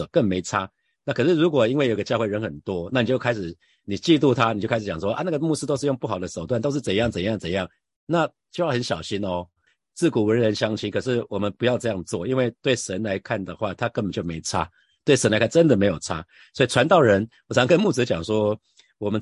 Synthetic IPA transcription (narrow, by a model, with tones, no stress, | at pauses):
kə˥˩ŋme˧˥ɪt͡sʰa˥ | na˥˩kʰɤ˨˩ʂɻ̩˥˩ɻu˧˥kwɔ˨˩i˥nwe˥˩˨jo˨˩˧ɡə˧t͡ɕjɑ˥˧xwe˥˩ɪɻə˧˥nxə˨˩nt̪wɔ˦˥na˥˩ni˨˩t͡ɕjo˥˩ʊkʰa˥ɪʂɻ̩˨˩ | ni˨˩t͡ɕi˥˧lu˥˧t̪ʰa˦ni˨˩t͡ɕo˥˩kʰa˥ʂ̩˨˧˨jɑ˨ŋʂwɔ˦ʔa̰˧na˥˩ɡə˨˩mu˥˧˩ʂ̩˥t̪o˥ʊʂɻ̩˥˧jo˥˧ŋpu˥˩xɑ˨˩ʊd̪ə˦ʂo˨˩ʊt̪wa˥˨nt̪o˥ʊʂ̬ɻ̩˥˩t͡sə˨˩njɑ˥˩ŋt͡sə˨˩njɑ˥˩ŋt͡sə˨˩njɑ˥˩ŋ | na˥˨ | t͡ɕjo˥˧jxə˨˦nɕjɑ˨˩ʊɕi˦˥nɔ˧ | t͡sɹ̩˥˩ku˨˩wə˧˥ɻə˧˦nɕjɑ˥ŋt͡ɕʰi˥kʰɤ˨˩ʂ̬ɻ̩˥˩wʔɔ˨˩mə˦npu˧˥jɑ˥ʊʈ͡ʂɤ˥˧jɑ˥˧ŋt͡swɔ˥˨˩i˦˥nwe˥˧ɪt̪we˥˩ɪʂə˧˦nla˧˦ɪkʰa˥˩nd̪ə˩xwa˥˩t̪ʰa˦˥kə˥˧pə˨nt͡ɕjo˥˩ʊme˧˥ɪt͡sʰa̰˥ | t̪we˥˩ɪʂə˧nla˧ɪkʰa˥nʈ͡ʂə˦nd̪ə˨me˧˥ɪjo˨˩ʊt͡sʰa̰˦˥ | swɔ˧˥i˨˩ʈ͡ʂʰwa˧˦nt̪ɑ˥˩ʊɻə˧˦˥nwɔ˨˩˧ŋkə˥nmu˥˩t͡s̩˧˥t͡ɕjɑ˨˩ŋʂwɔ˥ | wɔ˨˩mə˦